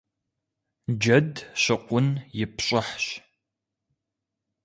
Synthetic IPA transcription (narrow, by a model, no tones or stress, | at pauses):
d͡ʒɐdɕɪqʷʼʊnjɪpɕʼɪħɕ